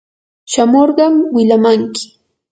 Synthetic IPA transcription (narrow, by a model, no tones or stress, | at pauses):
ʃamoɾɢɑmwɪʎamaŋkɪ̥